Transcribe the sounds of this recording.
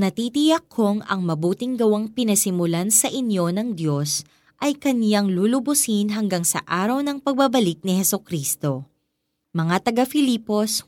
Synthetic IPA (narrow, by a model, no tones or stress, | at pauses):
nɐt̪iːt̪ɪjɐkʰːo̞ŋɐ̰ŋmɐbuːt̪ɪŋɡɐwaŋpɪnɐsɪmʊlansɐʔɪnjo̞nɐŋd̪jo̞s | ʔɐjkɐnjaŋluːlʊbʊsinɦɐŋɡaŋsɐ̰ʔaːɾɐwnɐŋpɐɡ̚bɐbɐlik̪̚nɪhɛsokɾiːst̪o̞ | mɐŋat̪ɐɡafɪliːpo̞s